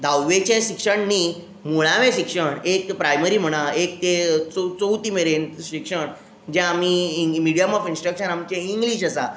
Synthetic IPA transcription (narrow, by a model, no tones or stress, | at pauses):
d̪ʱawʋet͡ɕẽɕikʂəɳni | muɭ̃aʋẽɕikʂəɳekpɾajməɾiːm̤əɽ̃aek̚t̪et͡sot͡sowt̪iːmeɾenɕikʂəɳ | d͡ʑɛ̃amimiɽijəmɔfinsʈɾəkʂənamt͡ɕẽiŋɡliɕəsa